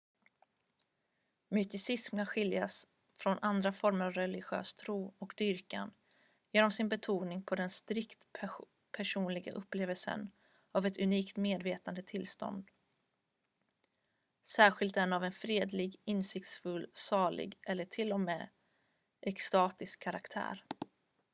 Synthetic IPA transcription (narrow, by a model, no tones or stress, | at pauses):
mʏt̪ɪsɪsmkanɧɪljas | fɾɔnʔand̪ɾafɔɾməɾavɾɛlɪɧø̰ːst̪ʰɾuːɔkd̪ʏɾka̰n | jeːnɔmsɪnbɛt̪ʰuːnɪŋpʰɔd̪ɛnst̪ɾɪkt̪ | pʰæʂuːnlɪɡa̰ʔɵpːleːvəlsə̰n | avɛt̪ɵniːkt̪meːd̪veːt̪and̪ət̪ʰɪlːst̪ɔ̰nd̪ | sæːɾɧɪlt̪ɛnːavɛnfɾeːd̪lɪɡɪnsɪk̚t̪sfɵlːsɑːɭɪ̰ɡʔɛlːəʈʰɪlːɔmɛ̰ː | ʔɛkst̪ɑːt̪ɪskʰːaɾakt̪ʰæ̰ːɾ